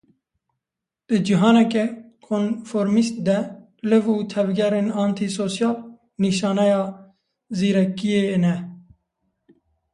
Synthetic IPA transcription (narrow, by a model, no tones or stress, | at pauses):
d̪̥ɨd͡ʒiɦɑːnɛkɛkʰonfoːɾmist̪̚d̪ɛ | lɨvuːt̪ʰɛvɡɛɾeːnɑːnt̪ʰisoːsjɑːl | niʃɑːnɛjɑː | ziːɾɛkːieːnɛ